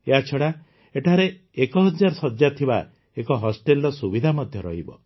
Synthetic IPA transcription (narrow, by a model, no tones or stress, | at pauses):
eat͡ʃʰɔɽa | eʈʰaɾe | ekɔɦɔd͡ʒaɾɔsɔd͡ʒjat̪ʰiba̰ | ekɔɦɔsʈelɾɔsubid̪ʱamɔd̪ʱjɔɾɔ̰ɦibɔ̰